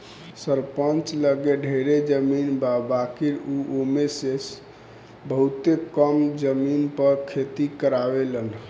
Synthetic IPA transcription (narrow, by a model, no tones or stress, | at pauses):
səɾpənt͡ʃləɡeɖʱeɾed͡ʒəminbabakiɾuʔomeses | bəɦut̪ekəmd͡ʒəminpəɾkʰet̪ikəɾabelən